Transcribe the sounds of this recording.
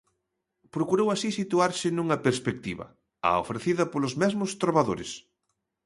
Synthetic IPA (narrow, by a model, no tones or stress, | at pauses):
pɾokuɾowasisit̪uaɾsɪnũŋɐpeɾspek̚t̪iβɐ̰ | a̰o̰fɾeθiðɐpolʊzmɛzmʊst̪ɾoβaðoɾḛs